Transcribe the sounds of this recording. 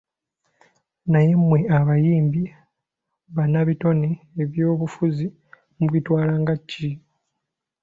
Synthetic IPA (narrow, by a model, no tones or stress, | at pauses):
naje̞mwe̞aβajiːmbi | βanaβito̞niːβjo̞ːβufuzi | muβitwaːlaːŋɡacːi